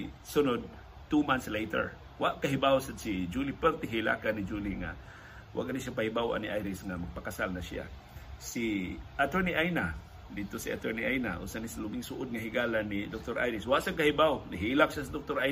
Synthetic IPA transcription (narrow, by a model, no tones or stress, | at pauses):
sʊnod̪̚ | t̪umant̪slejt̪ɛ̰ɹ | waʔkaɦɪbawsad̪sid͡ʒulipɛɾt̪ɪɦila̰kanid͡ʒuliŋa̰ | wʔa̰ɡaniʃapahibawa̰niʔajɾɪsŋamaɡ̚pakasalnasɪa̰ | siʔat̪əɹniʔajna | d̪id̪̚t̪osiʔa̰t̪ɛɹniʔajna̰ʔṵːsanisalʊbiŋsʊʔʊd̪̚ŋaɦiɡaːlanːid̪ok̚t̪oɾʔa̰jɾɪswaʔsaŋkahibawnaɦilak̚ʃasid̪ok̚t̪oɾaj